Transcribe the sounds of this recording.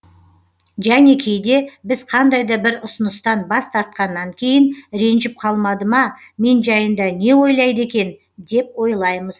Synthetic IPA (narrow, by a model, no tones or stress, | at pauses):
ʒæne̞kʲʰejd̪e̞bɪzqʰɑnd̪ɑjd̪ɑbɪɾʊsənəst̪ɑnbɑst̪ʰɑɾt̪̚qɑnːɑŋkʲʰe̞jɪnɾe̞nʒɪp̚qʰɑlˠmɑd̪əmɑ | me̞nʒɑjənd̪ɑne̞wo̞jlˠɑjd̪əe̞kʲe̞n | d̪e̞pwo̞jlˠɑjməz̥